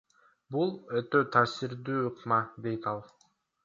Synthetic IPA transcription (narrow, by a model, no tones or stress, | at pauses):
bulˠøt̪øt̪ʰaːsiɾd̪yːuqmɑd̪e̞jt̪ɑlˠ